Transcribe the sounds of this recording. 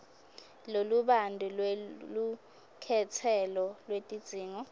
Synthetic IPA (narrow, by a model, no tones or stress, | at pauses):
loluɓandʱulwlu | kʰɛt͡sʰɛlɔlwetʼid̥z̥ʱiːŋɔ